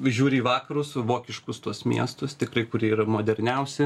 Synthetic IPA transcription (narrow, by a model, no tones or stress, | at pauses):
ʒʲuːɾʲɪiːʋɑːkɐɾʊsʋoːkʲɪʃkʊst̪uɔsmʲḭɛst̪ʊst̪ʲɪkrɐɪkʊɾʲiɛiːɾɐmoːd̪ʲɛɾʲnʲɛʊsʲɪ